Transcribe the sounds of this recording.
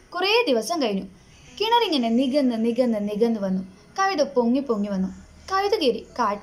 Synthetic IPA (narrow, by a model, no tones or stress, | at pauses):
kureːd̪iʋɐsɐŋkɐjinu | kiɳɐɾiŋːɐneniɡɐnd̪ɨniɡɐnːɨniɡɐnd̪ɨʋɐnːu | kɐʋid̪upoŋːipoŋːiʋɐnːu | kɐʋid̪ɐɡeɾikaːʈː